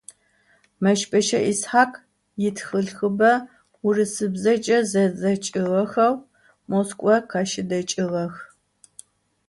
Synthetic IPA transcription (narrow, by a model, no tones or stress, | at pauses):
mɐʃpʼɐʃɐʔisħaːkʼ | jɪtʰxɨɮxɨbɐ | ʊrɨsɨbzɐt͡ʃʼɐzɐzɐt͡ʃʼɪʁɐxɐw | moskʷʼɔqʰɑʃɪdɐt͡ʃʼɪʁɐx